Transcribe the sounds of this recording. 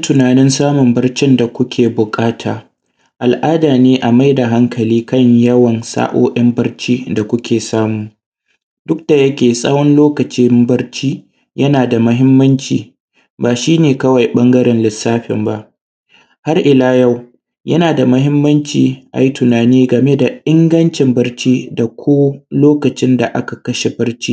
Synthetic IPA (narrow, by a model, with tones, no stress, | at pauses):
tʊ˨naː˨nɪ˦nsaː˦mʊ˨mbɐ˦rt͡ʃɪ˦nda˨kʷʊ˦kʲʰeː˨bʊ˨kʼaː˦tʰaː˨ | ʔa˨lʔaː˦daː˨neː˦ʔa˨ma˦jda˨ɦa˦ŋkʰɐ˨liː˦kɐ˦ɲjɐ˦wɐ˨nsa̰ː˦ʔo̰ː˦ʔɐ˦mbɐ˦rt͡ʃiː˦da˨kʷʊ˦kʲʰeː˨saː˦muː˨ | dʊ˦k̚d̥a˨jɐ˦kʲeː˨sʼa̰ː˦wɔ˦nloː˦kɐ˨t͡ʃi˦mbɐ˦rt͡ʃiː˦ | jɐ˦naː˨da˨mʊ˦ɦɪ˦mːɐ˦nt͡ʃiː˨ | baː˨ʃiː˦neː˨kɐ˦wɐ˨jɓɐ˦ŋɡɐ˦ɾɛ˨nlɪ˨sːaː˦ɸɪ̰˨mba˦ʔ | ha˦rʔɪ˨laː˦ja˦˨w | jɐ˦naː˨da˨mʊ˦ɦɪ˦mːɐ˦nt͡ʃiː˨ʔa̰˨ji˦tʊ˨naː˨niː˦ɡɐ˨me˦da˨ʔɪ˦ŋɡɐ˦nt͡ʃɪ˨mbɐ˦rt͡ʃiː˦da˨kʷoː˦loː˦kɐ˨t͡ʃɪ˦nda˨ʔa̰˦ka˨kɐ˦ʃe˨bɐ˦rt͡ʃiː˦